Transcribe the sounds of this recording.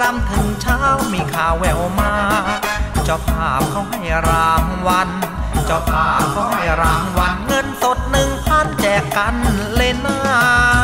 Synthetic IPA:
ɾa˧˥mt̪ʰɯ˨˩˦ŋt͡ɕʰaː˦˥˩wmiː˧kʰaː˨˩wːɛː˧˩ʔoː˧maː˧ | t͡ɕɔ˧˩pʰaː˨˩p̚kʰa˥˩wha˥˩jɾaː˧ŋwa˧nt͡ɕɔ˧˩pʰaː˨˩p̚kʰa˥˩wha˥˩jɾaː˧ŋwa˧nŋɤ˧nso˨˩t̪̚nɯ˨˧ŋt̪ʰaː˧˥˩nt͡ɕɛː˨˩kːa˧nle˧naː˧˥˩

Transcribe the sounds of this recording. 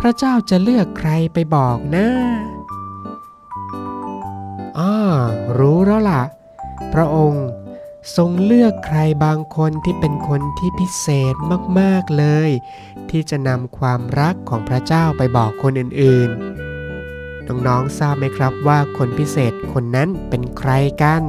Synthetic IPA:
pʰɾa˦˥t͡ɕaː˥˩wt͡ɕa˨˩lɯ˥˩əkʰːɾa˧jpa˧jbɔː˨˩k̚naː˦˥ | ʔɔː˧˩ɾuː˦˥ɾa˦˥˩wla˨˩ʔ | pʰɾa˦˥ʔo˧ŋso˧ŋlɯ˥˩əkʰːɾa˧jbaː˧ŋkʰo˧nt̪ʰiː˥˩pe˧nkʰo˧nt̪ʰiː˥˩pʰi˦˥seː˨˩t̪̚maː˥˩k̚maː˥˩k̚lɤː˧j | t̪ʰiː˥˩t͡ɕa˨˩ʔna˧mkʰwaː˧mɾa˦˥kʰːɔː˩˦ŋpʰɾa˦˥t͡ɕaː˥˩wpa˧jbɔː˨˩kʰːo˧nʔɯː˨˩nʔɯː˨˩n | nɔː˧˥ŋnɔː˦˥ŋsaː˥˩p̚ma˦˥jkʰɾa˦˥p̚waː˥˩kʰo˧npʰi˦˥seː˨˩t̪̚kʰo˧nːa˦˥npe˧nkʰɾa˧jka˧n

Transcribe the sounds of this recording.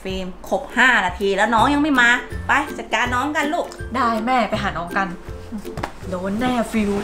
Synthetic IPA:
fiː˧mkʰo˨˩p̚haː˥˩naː˧t̪ʰiː˧lɛː˦˥wnɔː˦˥ŋja˧ŋma˥˩jmaː˧pa˧jt͡ɕaː˨˩kːaː˧nːɔː˦˥ŋka˧nluː˥˩k̚daː˥˩jmɛː˥˩pa˧jɦaː˩˦nɔː˦˥ŋka˧n˧˩ | doː˦˥nːɛː˥˩fi˧w

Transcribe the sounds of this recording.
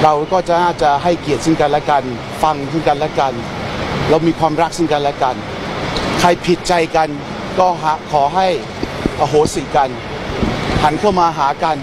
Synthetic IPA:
ɾa˧wkɔː˥˩t͡ɕa˨˩naː˥˩t͡ɕa˨˩ɦa˥˩jki˨˩ət̪̚sɯ˥˩ŋka˧nlɛː˦˥ka˧n | fa˧ŋsʰɯ˥˩ŋka˧nlɛː˦˥ka˧n | lɛː˦˥wmiː˧kʰwaː˧mɾa˦˥k̚sɯ˥˩ŋka˧nlɛ˦˥ka˧n | kʰa˧jpʰi˨˩t̪̚t͡ɕa˧jka˧n | kɔː˥˩ɦa˦kʰɔː˩˦ɦa˥˩j | ʔaː˨˧˩ɦoː˩˦siː˨˩˦ka˧n | ha˩˦nkʰa˥˩wmaː˧ɦaː˩˦ka˧n

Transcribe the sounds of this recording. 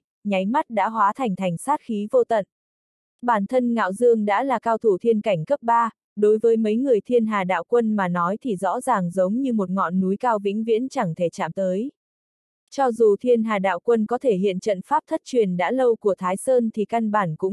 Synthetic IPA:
ɲa˨˦jma˦˥t̚ɗa̰ː˧˥ɦwaː˨˦t̪ʰɛ˨˩ŋ̟t̪ʰɛ˨˩jŋ̟saː˦˥t̚xi˨˦vo˧t̪ə̰˧˨n | ɓaː˧˩nt̪ʰə˧nŋa̰ː˧˨wzɨ˧əŋɗa̰ː˧˥laː˨˩kaː˧wt̪ʰu˧˩t̪ʰi˧ənka˧˩jŋ̟kə˦˥p̚ɓaː˧ | ɗo˨˦jvəː˨˦jmə˨˦jŋɨ˨˩əjt̪ʰi˧ənɦaː˨˩ɗa̰ː˧˨wkwə˧nmaː˨˩nɔ˨˦jt̪ʰi˨˩zɔ̰˧˥zaː˨˩ŋzə˨˦wŋ͡mɲɨ˧mo˨˩t̚ŋɔ̰˧˨nːu˨˦jkaː˧wvḭ˧˥ŋ̟vḭ˧˥ənt͡ɕa˧˩ŋt̪ʰe˧˩t͡ɕa̰ː˧˨mt̪əː˨˦j | t͡ɕɔ˧zu˨˩t̪ʰi˧ənɦaː˨˩ɗa̰ː˧˨wkwə˧nkɔ˨˦t̪ʰe˧˩hḭ˧˨ənt͡ɕə̰˧˨nfaː˦˥p̚t̪ʰə˦˥t̚t͡ɕwi˨˩ənɗa̰ː˧˥lə˧wku˧˩ət̪ʰaː˨˦jsəː˧nt̪ʰi˨˩ka˧nɓaː˧˩nkʊ̰˧˥ŋ͡m

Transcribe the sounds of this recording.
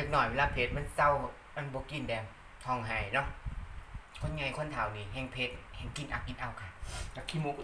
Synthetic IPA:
a˧˩k̚nɔː˧˩jweː˧laː˧pʰeː˧t̪̚ma˧˥˨nsa˧˨w | ma˧˨nbɔː˧˦ki˧˩˨ndɛː˨˧˩m | t̪ʰɔː˧˩ŋɦaː˨˩jnɔ˧˦ʔ | kʰo˧˥˨nɲa˧˩jkʰo˧˥˨nt̪ʰaː˨˦wniː˧˩ɦɛː˧˨ŋpʰeː˧˦t̪̚hɛː˧˩ŋki˧˨nʔa̰˧˩ki˧˨nʔa˧˩wkʰa˧˩ka˧kʰi˧˨moː˧k

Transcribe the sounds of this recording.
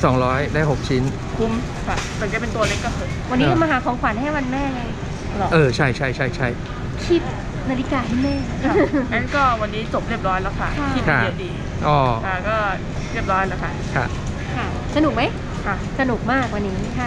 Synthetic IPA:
sɔː˩˦ŋɾɔː˦˥jdaː˥˩ɦo˨˩k̚t͡ɕʰi˦˥n | kʰu˧˥m | kʰa˧˩ɯ˨˩˦ŋt͡ɕa˨˩pe˧nt̪u˧ɐle˦˥kɔː˥˩sʰɯː˨˩˦mwa˧nːi˦˥ka˧maː˧ɦaː˩˦kʰɔː˩˦ŋkʰaː˨˦nha˥˩wa˧nmɛː˥˩a˧˩ | lɔ˨˩ʔɤː˧t͡ɕʰa˥˩jt͡ɕʰa˥˩jt͡ɕʰa˥˩jt͡ɕʰa˥˩j | kʰi˦˥˩t̪̚ | naː˧li˦˥kaː˧ɦa˥˩jmɛː˥˩˧ | kɔː˥˩wa˧nːiː˦˥t͡ɕo˨˩p̚ɾi˥˩əp̚ɾɔː˦˥jlɛː˦˥wkʰa˥˩kʰa˥ki˦˩kʰa˥˩i˧˩diː˧ | ʔɔː˧˩kʰa˥˩kɔː˥˩ | ɾi˥˩əp̚ɾɔː˦˥lɛː˦˥wkʰa˦˥˩kʰa̰˦˥˩ | kʰa˥˩ | sa˧nu˨˩k̚ma˦˥j | kʰa˥˩sa˧nu˨˩k̚maː˥˩k̚wa˧nːiː˦˥˩kʰa˦˥˩

